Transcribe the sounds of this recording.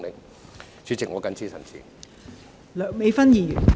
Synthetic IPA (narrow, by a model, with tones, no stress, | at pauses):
ŋlɪ˨˥˩ŋ | t͡syː˨˥t͡sɪ˨k̚ŋɔː˨˧kɐ˨˥nt͡sʰiː˥sʰɐ˨˩nt͡sʰḭ˨˩ | lœː˨˩ŋme˨˧jfɐ˥njiː˨˩jy̰˨˩